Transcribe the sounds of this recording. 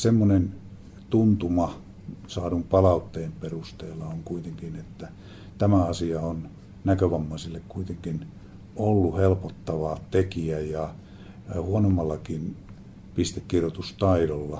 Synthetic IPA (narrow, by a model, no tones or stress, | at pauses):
semːonen | t̪unt̪umɑ | sɑːdumpɑlɑut̪ːeːmperust̪eːlːɑoŋkuit̪eŋkinet̪ːæ | t̪æmæɑsiɑon | nækøʋɑmːɑisilːekkuit̪eŋkin | olːuhelpot̪ːɑʋɑt̪ekiæjɑ | huonomːɑlːɑkin | pist̪ekːirjot̪ust̪ɑiɾolːɑ